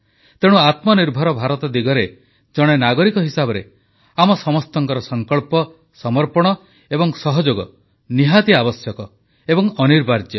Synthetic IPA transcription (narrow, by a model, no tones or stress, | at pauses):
t̪eɽ̃uat̪mɔniɾbʱɔɾɔbʱaɾɔt̪ɔd̪iɡɔɾe | d͡ʒɔɽ̃enaɡɔɾikɔɦisabɔɾe | amɔsɔmɔst̪ɔŋkɔɾɔsɔŋkɔɭpɔ | sɔmɔɾpɔɽ̃ɔ | ebɔŋsɔɦɔd͡ʒoɡɔ | niɦat̪iabɔsjɔkɔ | ebɔŋɔniɾbʱaɾd͡ʒjɔ